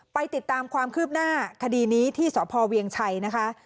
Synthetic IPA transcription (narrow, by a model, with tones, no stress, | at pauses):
pa˧jt̪i˨˩t̪ːaː˧mkʰwaː˧mkʰɯː˥˩p̚naː˥˩kʰa˧diː˧niː˦˥t̪ʰiː˥˩sɔː˩˦pʰɔː˧wi˧əŋt͡ɕʰa˧jna˦˥kʰa˦˥